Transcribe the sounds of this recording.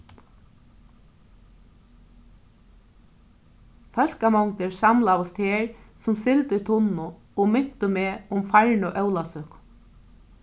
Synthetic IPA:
fœlkamɔwŋt̪ɪɹsamlawʊst̪heːɹsʊmsɪlt̪ɪt̪ʰʊnːʊ | ɔɣmʏn̥t̪ʏmɛːʊmfaɹɳʊʔœwlasʏk

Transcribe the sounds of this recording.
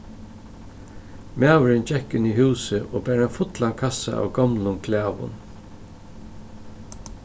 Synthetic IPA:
mæːwɪɾɪnd͡ʒɛkːɪniɦʉːsɪʔoːbæːɾanfʊt̪laŋkʰasa̰ʔa̰wɡɔmlʊnkʰlæːʋʊ̰n

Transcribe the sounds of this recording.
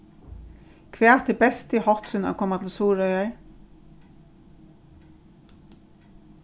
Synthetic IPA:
kʰvʋɛːt̪ʰɪbɛst̪ihɔht̪sʏna̰kʰɔːmat̪ʰɪlsuːɾœʏjaɹ

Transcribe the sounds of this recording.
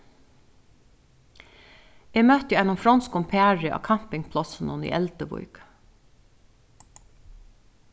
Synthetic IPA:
eːmœt̪jɪɛnʊmfɾɔnskʊmpʰæːɹɪʔɑ̰ːkʰɑm̥pɪŋpʰlɔsənʊnḭːʔɛlt̪əbʊ̰ɾk

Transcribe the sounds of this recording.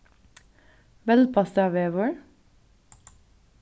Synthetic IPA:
ʋɛl̚pʰɑst̪ɑʋeːʋɔɹ

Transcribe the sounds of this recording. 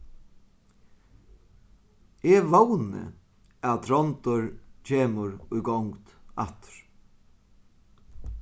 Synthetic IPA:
ɛʋownə̰ | aðt̪ʰɾɔnt̪ʊɹcʰeːmʊɹʊjɡɔwŋkt̪a̰t̪ɾ̥

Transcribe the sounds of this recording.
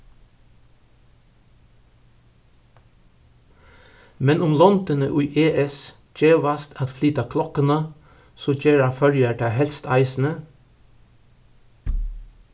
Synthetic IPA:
mɛnʊmlɔnd̪ənəʔʉːʔeːʔɛs | d͡ʒeːʋɑst̪ʰɑt̪flyːt̪ɑkʰlɔkənɑ | soːd͡ʒeːɹɑːfœɹjəʈæːhɛlst̪ʰɑ̰ɪsn̩ə

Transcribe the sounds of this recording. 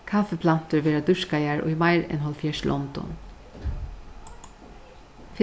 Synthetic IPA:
kʰafəpʰlan̥t̪əɹʋeːɾad̪ʏʂkajæɹʔʊ̰jmaɪɹɛ̰nɦɔlfjɛːʂlʔɔ̰nd̪ɔ̰n | f

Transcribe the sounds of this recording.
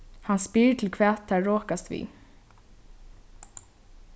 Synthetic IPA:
hanspiːɹt̪ʰɪlkʰvɛːt̪ʰːɛɹɔːkast̪vḭ

